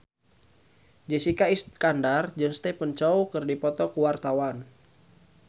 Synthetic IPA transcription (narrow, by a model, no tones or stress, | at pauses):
d͡ʒɛsikaiskandard͡ʒɨŋst̪ɛpənt͡ʃɔukɨrdipɔt̪ɔkuwart̪awan